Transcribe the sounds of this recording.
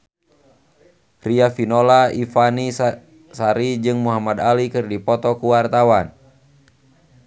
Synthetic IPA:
riafinɔlaifani | saɾid͡ʒɨŋmuɦamad̪alikɨrdipɔt̪ɔkuwart̪awan

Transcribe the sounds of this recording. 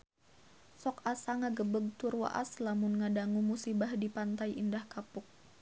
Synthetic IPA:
sɔkasaŋaɡəbəɡ̚t̪urwa̰ʔa̰slamʊnŋadaŋumusibahdipant̪ajʔindahkapʊk̚

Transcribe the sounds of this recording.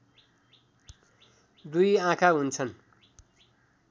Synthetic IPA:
d̪ujãkʰaɦunt͡sʰʌn

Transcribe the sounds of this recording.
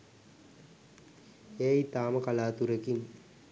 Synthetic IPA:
eːit̪aːməkalaːt̪uɾekin

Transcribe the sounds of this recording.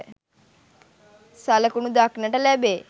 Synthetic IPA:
saləkunud̪aknəʈəlæbeː

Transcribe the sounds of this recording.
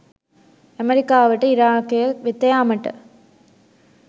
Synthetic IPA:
ɐmɐɾɪkːaːʋɐʈːɯɪɾaːkɪjɐʋɪt̪ːɐjaːmɐʈːɐ̰

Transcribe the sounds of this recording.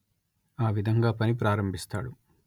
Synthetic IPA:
aːʋid̪ʱɐŋɡaːpɐnip̬ɾaːɾɐmbʱist̪a̰ːɽu

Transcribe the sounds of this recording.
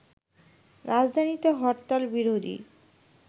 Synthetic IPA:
ɾad͡ʑd̪ʱanit̪eɦɔɾt̪albiɾod̪ʱḭ

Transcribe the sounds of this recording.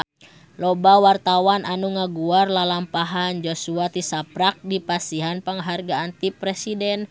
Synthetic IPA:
lɔbawart̪awanʔanuŋaɡuarlalampaɦand͡ʒosuat̪isapɾak̚dipasiɦanpəŋɦarɡaːnt̪ipɾɛsidɛn

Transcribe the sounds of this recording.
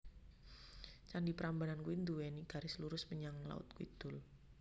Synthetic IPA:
t͡ʃandipəɾambanankuind̪uweniɡ̥a̤ɾɪsluɾʊsməɲaŋla̰ʊ̰t̪̚kuḭd̪̥ʊ̤l

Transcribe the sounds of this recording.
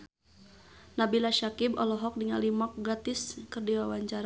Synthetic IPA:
nabilaʃakibɔlɔɦɔk̚diŋalimɔk̚ɡat̪ɪskɨrdiwawaɲt͡ʃaɾa

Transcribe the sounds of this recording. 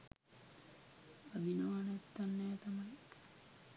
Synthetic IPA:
ad̪inaʋanɛt̪ːanːɛːt̪amaji

